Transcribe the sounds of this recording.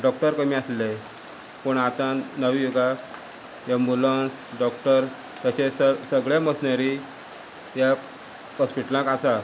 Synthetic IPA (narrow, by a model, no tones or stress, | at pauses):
ɖɔkʈəɾkəmiaslej | pəɳat̪ãnəʋijoɡa | jembulənsɖɔkʈəɾ | t̪aɕessəɡɭaməsnaɾi | ja | kɔspiʈəlãkasa